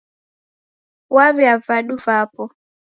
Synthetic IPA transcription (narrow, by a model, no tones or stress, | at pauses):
waβɛavaɗuvapɔ